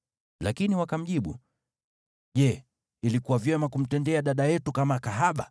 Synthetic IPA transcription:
lakiniwakam̩ʄiɓṵ | ʄɛ | ilikuwavjɛmakum̩tɛndɛaɗaɗajɛtukamakaɦaɓa

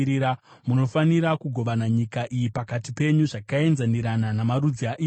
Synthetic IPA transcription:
iɾamuno̞faniɾakuɡʱo̞ʋanaɲikaʔijipakatipe̞ɲuʐakae̞nzaniɾananamaɾud͡ziaʔiː

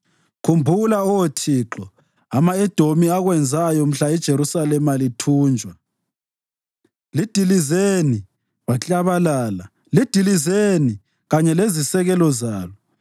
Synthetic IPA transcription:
kʰumbʱulaɔwetʰiːǁɔ | amaɛd̥ʱomiaɣwɛnd͡zʱajɔm̩ɬaɛd̥ʒ̥ʱeɾusalɛmalitʰuːnd͡ʒʱwa | lid̥ʱilizeni | βat͡ɬʼaβalaːla | lid̥ʱilizeni | ɣaɲɛlezisɛɣɛlɔzaːlɔ

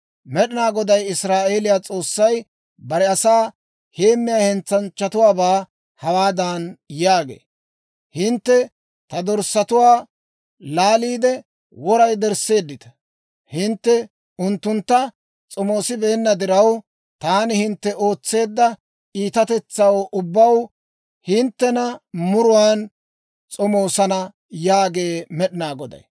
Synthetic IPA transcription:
mɛɗɪnaːɡɔd̪ɐjɪsɾaːʔe̞ːlɪjaːt͡sʼo̞ːsːɐj | bɐɾɛɐsaː | heːmːɪjaːhɛnt͡sːɐnt͡ʃːɐt̪ʊwaːbaː | hɐwaːd̪aːnjaːɡḛː | hɪnt̪ːɛ | t̪ɐd̪ɔɾsɐt̪ʊwaː | laːliːd̪ɛ | wɔɾɐjd̪ɛɾse̞ːd̪ːɪt̪ɐ̥ | hɪnt̪ːɛ | ʊnt̪ːʊnt̪ːɐ | t͡sʼɔmo̞ːsɪbe̞ːnːɐd̪ɪɾɐw | t̪aːnɪhɪnt̪ːɛʔo̞ːt͡sːe̞ːd̪ːɐ | ʔiːt̪ɐt̪ɛt͡sːɐwʔʊbːɐw | hɪnt̪ːɛnɐmʊɾʊwaːn | t͡sʼɔmo̞ːsɐnɐ | jaːɡe̞ːmɛɗɪnaːɡɔd̪ɐ̰j

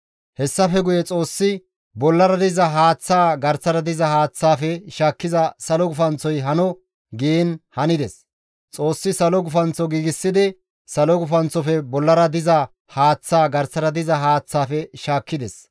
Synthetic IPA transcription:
hɛsːɐfɛɡʊjɛt͡sʼo̞ːsːɪ | bɔlːɐɾɐd̪ɪzɐɦaːt͡sːaːɡɐɾt͡sːɐɾɐd̪ɪzɐhaːt͡sːaːfɛʃaːkːɪzɐsɐlɔɡʊfɐnt͡sːɔjɦɐnɔ | ɡienhɐnɪd̪ɛs | t͡sʼoːsːɪsɐlɔɡʊfɐnt͡sːɔɡiːɡɪsːɪd̪ɪ | sɐlɔɡʊfɐnt͡sːɔfɛbɔlːɐɾɐd̪ɪzɐ | haːt͡sːaːɡɐɾst͡sːɐɾɐd̪ɪzɐɦaːt͡sːaːfɛʃaːkːɪd̪ɛs

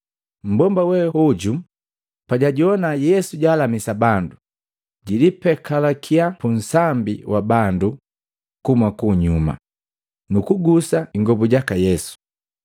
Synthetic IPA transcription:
m̩bɔmbawɛuɟu | paɟaɟiɔnajɛsuɟaːlamisabandu | ɟilipɛkalakʰiapun̩sambiwabandu | kumakuɲuma̰ | nukuɡusaiŋɡɔbuɟakajɛsu̥

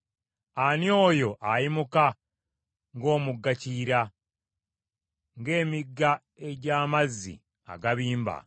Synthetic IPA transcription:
anjo̞ːjo̞ʔajimuka | ŋɡo̞ːmuɡːaciːɾa | ŋɡe̞ːmiɡːa | e̞ɟaːmazːḭ | a̰ɡaβiːmba̰

